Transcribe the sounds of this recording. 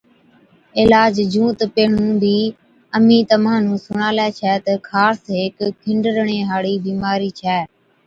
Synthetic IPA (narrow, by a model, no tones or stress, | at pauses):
ɪlaːd͡ʒd͡ʒʱũːt̪peːɳũːbiː | əmĩːt̪əmãːnũːsʊɳaːlɛːt͡ʃʰɛːt̪əkʰaːɾsɦeːkkʰːɪɳɖəɾəɳẽːɦaːɽiːbiːmaːɾiːt͡ʃʰɛː